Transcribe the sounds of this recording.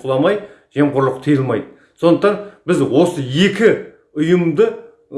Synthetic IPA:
lˠɑmɑj | ʒeɴqʰʊɾlˠəqt̪ʰijəlˠmɑjd̪ə | so̞nd̪əqt̪ɑnbɪzwo̞səje̞kʲɪ | ʊjəmd̪ə

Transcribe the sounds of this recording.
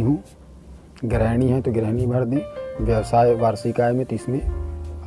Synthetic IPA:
ɦũː | ɡɾɛːñiɦɛ̃t̪oɡɾɛːɳ̃ibʱɐɾd̪iːʋjɐʋsaːeʋaːɾsikaːjmẽt̪ʊɪsmẽ

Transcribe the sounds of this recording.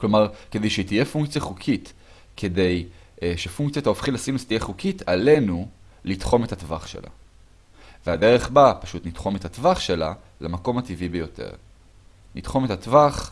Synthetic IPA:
klo̞maʁke̞d̪ejʃet̪ije̞fuŋkt͡sjaχukʰit | kʰe̞d̪e̞j | ʃefuŋkt͡sjat̪aofχilasinust̪ijeχukʰit̪ʰale̞nu | litχo̞me̞thatvaχʃḛla̰ | veade̞ʁe̞χbapḁʃutnitχo̞methatvaχʃe̞la̰ | lamako̞mat̪ivibejo̞tʰḛʁ | nitχo̞me̞tatvaχ

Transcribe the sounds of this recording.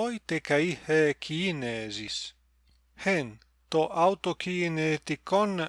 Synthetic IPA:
ojt̪ekaihekʰinezis | hen | t̪oʔawt̪okinet̪ikon

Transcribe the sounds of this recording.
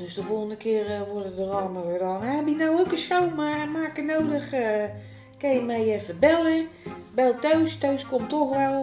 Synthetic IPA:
døsdəfolˠɣəndəkɪərʋordədərɔːmarɛdɔnɛbinowowkəsowmamaːkənowdəxə | kɛjəmɛjɛfəbɛlˠəbɛlˠtøɥstoɥskomtoxʋɛlˠ

